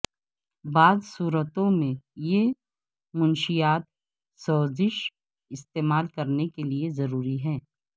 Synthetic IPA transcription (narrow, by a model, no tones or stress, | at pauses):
baːzsuːɾət̪õmẽje | mʊnʃijaːt̪̚ | sɔːzɪʃ | ɪst̪eːmaːlkɐɾnekeliezɐɾuːɾiɦɛː